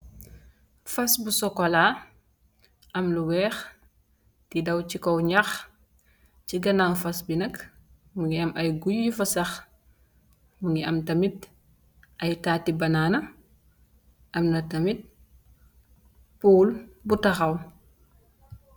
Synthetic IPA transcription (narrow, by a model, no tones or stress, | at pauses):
fɐsbusɔkɔla | ɐmluwɛːx | tidɐwcikɔwɲax | ciɡɐnanfɐsbinɐk | muŋɡiɐmʔɐjɡujːifɐsɐx | muŋɡiɐmtɐmit̚ | ɐjtaːtibɐnaːnɐ | ʔɐmnɐtɐmit̚ | puːlbutɐxɐw